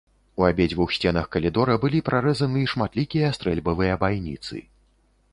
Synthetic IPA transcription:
uabʲed͡zʲvuxsʲt͡sʲɛnɐxkɐlʲid̪ɔɾɐbɨlʲipɾʔaɾɛzɐnɨiʂmat̪lʲikʲijɐst̪ɾɛlʲbɐvɨjɐbajnʲḭt̪sɨ̰

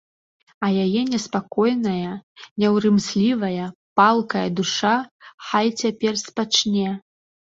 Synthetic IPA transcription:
ɐjajɛnʲɛspakɔjnɐjɐnʲɛwɾɨmsʲlʲivɐjɐpalˠkɐjɐd̪uʂaxalʲt͡sʲapʲɛrspat͡ʂnʲɛ

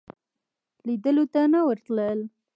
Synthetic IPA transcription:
lid̪əlut̪anawəɾt̪ləl

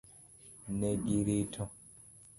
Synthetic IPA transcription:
nɛɡiɾitʰɔ̃

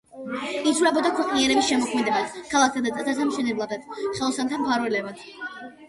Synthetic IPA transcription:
izʰuɾɛbɔd̪akʰwɛqʼniɛɾɛbisʃɛmɔkʰmɛd̪ɛbat̪ʰkʰalˠak̚ʰt̪ʰad̪at̪ʼasasamʃɛnɛblˠad̪at̪ʰχɛlˠɔsant̪ʰampʰaɾvwɛlɛbat̪ʰ

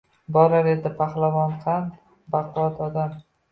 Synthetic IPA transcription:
bɒɾaɾed̪ɪpʰaχlˠavɒnqʰɑn | baqʰʊwat̪ʰɒd̪am

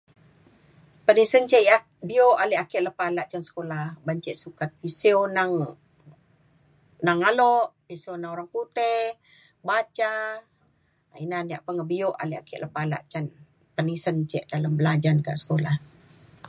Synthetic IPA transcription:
pənisənt͡ʃɛʔjaʔ | bioʔaleakiʔləpalaʔt͡ʃansə̥kolahbaɲt͡ʃɛʔsukat̪̚pisionaŋ | naŋalɔʔpisionaŋoɾaŋput̪e | bat͡ʃa | inaniaʔpəŋabioʔa̰leakiʔləpala̰ʔt͡ʃan | pənisənt͡ʃɛʔdalambəlad͡ʒanka̰ʔsə̥kolah

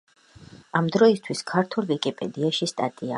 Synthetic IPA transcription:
amd̪ɾɔist̪ʰwiskʰaɾt̪ʰulˠvikʼipʼɛ̰d̪iaʃist̪ʼat̪ʼia̰

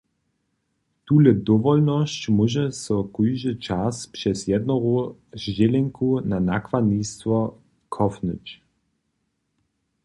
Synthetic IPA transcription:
t̪uːləd̪ɔʋɔlnɔɕt͡ɕmuʒɛsɔkujʒət͡ʃaspʂɛsjɛd̪nɔɣɔzd͡ʑɛlɛŋkunanakʋadnist̪vɔ | kʰɔfnət͡ɕ

